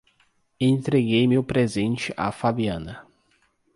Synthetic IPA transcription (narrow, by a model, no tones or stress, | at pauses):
ẽnt̪ɾeɡejmɪʊpɾezẽnt͡ʃɪʔa̰fabiɐ̃nɐ